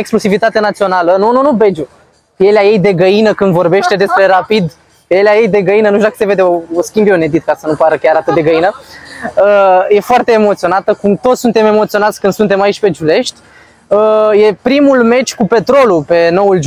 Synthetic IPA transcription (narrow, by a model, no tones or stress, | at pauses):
eksklusivit̪at̪enat̪sio̞nalənununube̞d͡ʒu | je̞laje̞jd̪e̞ɡəinəkɨnd̪vo̞rbe̞ʃt̪e̞d̪e̞spɾe̞ɾapid̪ | jelʲaje̞jd̪e̞ɡəinənuʃtud̪akə̥se̞ve̞d̪eooskʲimbeune̞d̪it̪̚kasənupaɾəkʲaɾat̪ɨt̪̚d̪eɡəinə | əje̞foart̪e̞ːmo̞t̪sio̞nat̪əkumt̪ot̪sʲsunt̪e̞me̞mo̞t̪sio̞nat̪sʲkɨnd̪̥sunt̪e̞mait͡ʃʲpe̞d͡ʒule̞ʃt̪ʲ | əje̞pɾimulme̞t͡ʃʲkupe̞t̪ɾo̞lupe̞no̞uld͡ʒ